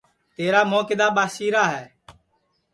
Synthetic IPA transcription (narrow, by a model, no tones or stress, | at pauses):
t̪eːɾaːmoːkɪd̪aːɓaːʃiːɾaːɦɛː